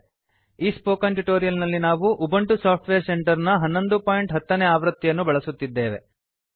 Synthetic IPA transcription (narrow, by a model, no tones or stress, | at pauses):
iːspoːkɐnʈuʈo̞ːɾijɐlnɐlːinaːʋuʔubɐɳʈusaːp̚ʰʈʋeːɾse̞ɳʈɐɾnɐɦɐnːo̞nd̪upaːjiɳʈɦɐt̪ːɐneaːʋɾɐt̪ːijɐnːubɐɭɐsut̪ːid̪ːe̞ːʋe̞̰